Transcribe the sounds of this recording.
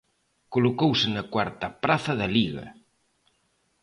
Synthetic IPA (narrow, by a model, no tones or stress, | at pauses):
kolokowsɪnɐkwaɾt̪ɐpɾaθɐðɐliɣɐ̰